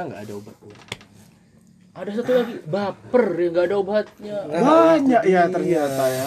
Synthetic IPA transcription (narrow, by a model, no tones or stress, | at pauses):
ŋɡa̰ːdauba | ʔadas̬at̪ulaɡibapərjaŋɡaːdaubaɦat̪̚ɲabaɲakjat̪ərɲiat̪aja